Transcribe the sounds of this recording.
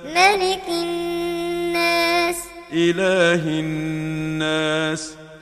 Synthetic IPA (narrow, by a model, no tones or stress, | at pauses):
malɪkɪnnːaːs | ʔɪlaːɦɪnː | aːs